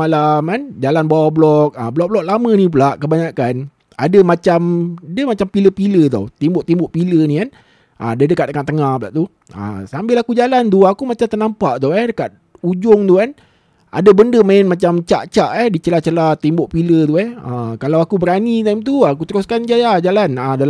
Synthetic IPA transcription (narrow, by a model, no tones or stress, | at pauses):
alamand͡ʒalanbawablɔk̚əblɔʔ̚blɔk̚lamə̃nip̬ulaʔkəbaɲakan | a̰dəmat͡ʃamadəmat͡ʃampiləpilət̪ɔ̰wt̪imbʊʔt̪imbɔʔpilənikan | ʔədədəkat̪̚əŋat̪əŋahpla̰ʔt̪u | ə̰sambɪlakud͡ʒalant̪uakumat͡ʃamt̪ərnampaʔt̪uɛhdəkat̪̚ | ud͡ʒʊŋt̪ukan | a̰dəbəndəmaɪnmat͡ʃamt͡ʃa̰ʔt͡ʃaʔɛhdit͡ʃəlat͡ʃəlat̪imbʊʔpilət̪uɛhəkalawakubəɾanit̪̬ajmt̪̬uak̬ut̪əɾuskand͡ʒajad͡ʒalanədal